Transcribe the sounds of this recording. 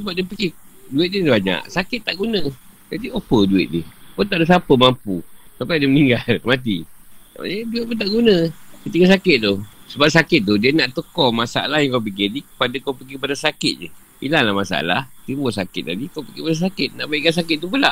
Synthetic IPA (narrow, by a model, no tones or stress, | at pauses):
səbap̚diəpəɡɪduɪt̪̚didbaɲa̰ʔsakɪt̪̚ːaʔɡunə̃d͡ʒadiopəduɪ̰t̪̚dɪ̰pʊnt̪aʔdəs̬apəmampusampajdiəməniŋɡalmat̪̬ia̰jəduɪt̪̚pʊnt̪aʔɡunə̃kət̪iɡas̬akɪt̪̚d̪ʊsəbap̚sakɪt̪̚ːʊdiənaʔt̪əkɔmasaa̰lahjaŋkap̬ikenikə̥padakawpəɡikəpadasakɪt̪̚ɲə | ḭlanlahmasa̰a̰la̰ht̪imbosakɪ̰t̪̚na̰dikawpiɡikpadas̬akɪt̪̚na̰ʔbaiʔkansakɪt̪̚t̪ːupula̰ʔ